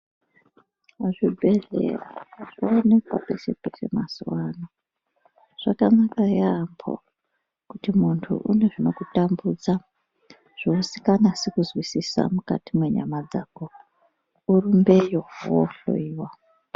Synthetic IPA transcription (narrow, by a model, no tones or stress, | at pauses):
aʐibʱe̞ɮḛra̰ʐoone̞kwapese̞pe̞semasuwano | ʐ̥akanakajaːmbʰo̰ | kutimuntʰṵʔune̞ʐino̞kutambud͡za | ʐ̥oːsi̥kanasekuzwisisa̰muka̰timwe̞ɲa̰mad͡zako | uɾumbe̞jowo̰ɬo̰iːwa